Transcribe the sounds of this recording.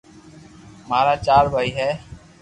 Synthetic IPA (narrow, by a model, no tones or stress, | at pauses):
maːɾaːt͡ʃaːɾbʱaːiːɦɛː